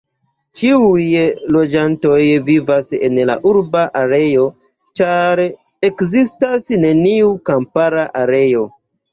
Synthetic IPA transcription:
t͡ʃiujlo̞d͡ʒanto̞jvivase̞̰nla̰ʔuɾbaʔaɾe̞jo̞ | t͡ʃaɾ | e̞kzistasne̞niukampaɾaʔaɾe̞jo̞

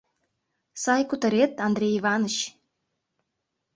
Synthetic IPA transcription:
sɑjkut̪ə̆ɾet̪ɑnd̪ɾʲejiβɑnŏɕ

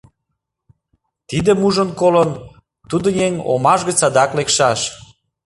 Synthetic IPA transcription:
t̪id̪ĕmuʒənkolən | t̪ud̪ə̆jeŋo̰mɑʒɣə̆t͡sɑd̪ɑklekʃɑʃ

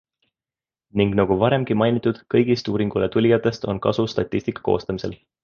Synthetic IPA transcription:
niŋɡ̥nɑɡ̥uvɑɾe̞mɡ̥imɑjnit̪ːˑud̪̥kɤjɡist̪uːɾiŋɡ̥ulet̪ulʲjɑt̪ːˑe̞st̪o̞̰nkɑ̰sust̪ɑt̪ʲˑːist̪ikːˑɑ̥ko̞̰ːst̪ɑmise̞̰l

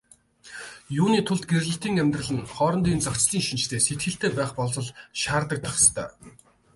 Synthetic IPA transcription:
juːniːt̪ʰʊɮt̪̚ɡerɮɘ̆ɬt̪iːŋæmʲt̪rə̆ɮɘ̆ŋχɔːɾɞ̆nt̪iːnt͡sakt͡ɕɮiːŋʃint͡ɕt̪ʰeːset̪ɡɘ̆ɬt̪eːpæːχpɔɮt͡sɞ̆ɮʃaːrt̪ə̆k̚t̪ʰaχst̪ʰœ̰ː

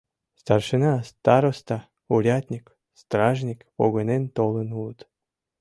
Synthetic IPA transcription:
st̪arʃɨnɑst̪ɑɾost̪a | uɾʲat̪ʲnʲik | st̪raʐnʲikpo̰ɣɤnent̪olˠənulət̪

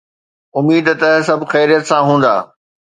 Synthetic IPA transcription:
ʊmiːd̪t̪ɐsɐbʱxɛːɾijət̪sãɦũːn̆d̪a̰ː

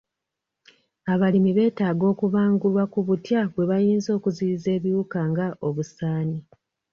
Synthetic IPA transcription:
aβalimiβe̞ːtaːɡo̞ːkuβaːŋɡulwakuβutjaβwe̞βajiːnzo̞ːkuziize̞ːβiuːkaŋɡaʔo̞βusaːni

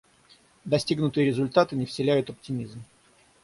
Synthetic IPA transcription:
d̪ɐsʲtʲiɡnʊt̪ɨjɪɾʲɪzʊlʲt̪at̪ɨnʲɪfsʲɪlʲæjʊt̪ɐp̚tʲɪmʲizm

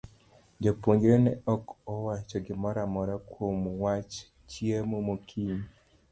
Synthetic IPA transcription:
d͡ʒopoɲɡɾenɛɔkɔwat͡ʃɔɡɪmɔɾamɔɾakwomwat͡ʃ | t͡ʃiemomokʰiɲi

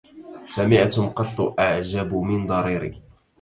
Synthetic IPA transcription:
samɪʕt̪ʊmqɑt̪ˤːʊʔaʕd͡ʒabʊmɪnd̪ˤɑɾˤiːɾḭː

